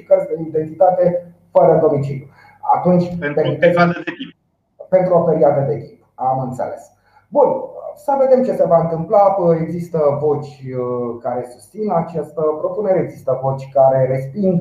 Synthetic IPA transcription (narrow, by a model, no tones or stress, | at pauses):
ikərsd̪eind̪e̞nt̪it̪at̪e̞ | fəɾəd̪o̞mit͡ʃilju | a̰t̪unt͡ʃʲpeɾmit̪eed̪eki | pe̞nt̪ɾuofeɾiat̪ed̪e̞k̪ʲip̚amɨnt̪sḛle̞̰s | bunsəve̞d̪e̞mt͡ʃe̞se̞vaɨnt̪ɨmplae̞ɡzist̪əvo̞t͡ʃʲkaɾe̞sust̪sinat͡ʃast̪əpɾo̞puneɾeːɡzist̪əvo̞t͡ʃʲkaɾe̞ɾe̞spind̪